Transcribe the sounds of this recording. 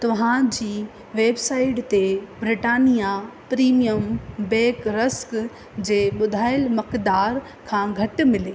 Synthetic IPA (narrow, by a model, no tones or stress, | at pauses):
t̪ɐʋ̤ãd͡ʑiː | ʋeːbsaːɪʈt̪ebɾɪʈaːnijapɾiːmijəmbeːkɾɐsk | d͡ʑeːɓʊd̪ʱaːɪlmɐkd̪aːɾ | kʰãːɡʱɐʈ̆mɪleː